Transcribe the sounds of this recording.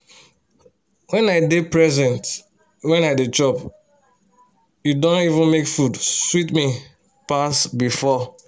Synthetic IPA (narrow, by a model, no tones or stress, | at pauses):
wɛ̃naɪdepɹɛzɛ̃nt | wɛ̃naɪdet͡ʃɔp | judõntivũnmekfudswitmi | pasbifɔ